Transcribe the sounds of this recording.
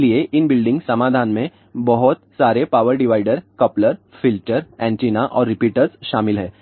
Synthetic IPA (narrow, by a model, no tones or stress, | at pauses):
lieʔɪnbɪlɖɪ̃ŋɡsɐmaːd̪ʱaːnmẽ | bɔɦɔt̪saːɾepaːʋəɾɖɪʋaːɪɖəɾkɐpləɾfɪlʈəɾɛ̃ːɳʈiːnaʔɔːɾːɪpiːʈəɾzʃaːmɪlɦɛː